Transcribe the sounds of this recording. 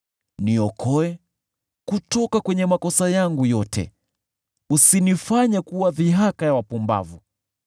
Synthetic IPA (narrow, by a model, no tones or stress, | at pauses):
niɔkʰɔɛ | kutɔkakwɛɲɛmakɔsajaŋɡujɔtʰɛ̰ | usinifaɲakuwaðiɦakajawapumba̰vu